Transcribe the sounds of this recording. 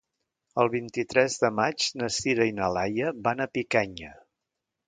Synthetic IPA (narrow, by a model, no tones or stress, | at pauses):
əlˠβint̪it̪ɾɛzðəmad͡ʒnəsiðəinəlajəβanəpikɛɲə